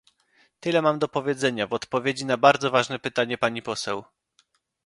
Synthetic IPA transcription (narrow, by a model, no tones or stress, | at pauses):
t̪ɘlɛmamd̪ɔpɔvʲjed̪zɛɲavɔt̪pɔvʲjed͡ʑinabaɾd̪zɔvaʐnɛpɘt̪aɲɛpaɲipɔsɛw